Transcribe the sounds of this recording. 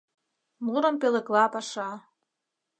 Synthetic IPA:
muɾɤ̆mpʲelĕklˠɑpaʂɑ

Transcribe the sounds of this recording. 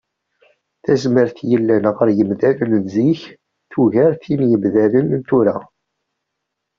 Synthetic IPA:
θæzməɾθjəlːænʁəɾjəmðælənnziç | θuʝæɾθinjəmðælənnt̪uɾæ

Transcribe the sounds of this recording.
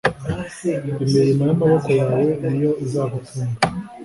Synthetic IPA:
imiɾimajamaβoko̞jaːwo̞nijo̞ʔizaːβutʰuːnɡa

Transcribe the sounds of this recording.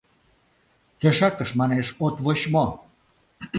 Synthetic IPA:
t̪eʃɑkəʃmɑneʃot̪βoɕmo

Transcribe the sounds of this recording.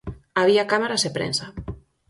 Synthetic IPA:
aβ̞iakamaɾazepɾḛnsa

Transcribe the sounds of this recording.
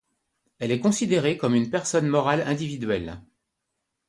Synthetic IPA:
ɛlɛkɔ̃sid̪eʁekɔmynpɛʁsɔnmɔʁalɛ̃d̪ivid̪ɥɛl

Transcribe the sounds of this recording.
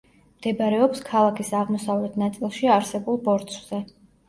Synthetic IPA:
md̪̥ɛbɾɛɔpskʰalˠakʰisaʁmɔsavlɛt̪ʰnat̪sʼilˠʃiaɾsɛbulˠbɔɾt̪sʰz̥ɛ

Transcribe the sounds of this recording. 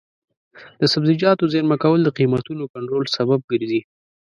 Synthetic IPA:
d̪̥əsabzɪd͡ʒɑt̪ozeɾmakawəld̪əqimat̪unokaɳʈɾolsabab̚ɡəɾzi

